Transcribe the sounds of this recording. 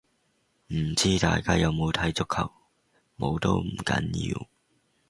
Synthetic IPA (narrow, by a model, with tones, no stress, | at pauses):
m̩˨˩t͡siː˥t̪aː˨˧jkaː˥jɐ˨˧wmo˨˧wt̪ʰɐ˨˥jt͡sʊ˥kʰːɐ˨˩w̚ | mo˨˧wt̪o̰˥wm̩˨˩kɐ̰˨˧˥njḭː˧w